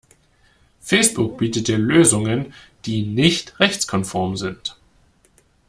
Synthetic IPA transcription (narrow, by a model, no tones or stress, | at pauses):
fɛɪsb̥ʊk̚b̥iːtətd̥iːɐløːzʊŋənd̥iːnɪçtʁɛçt͡skʰɔnfɔɐmzɪnt